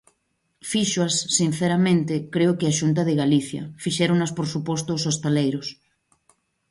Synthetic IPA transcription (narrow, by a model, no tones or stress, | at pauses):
fiʃwasːin̟θeɾamẽnt̪ekɾeʊkɪaʃunt̪̬aðeɣaliθjɐ̰fiʃɛɾoŋnaspoɾsupost̪osost̪elejɾos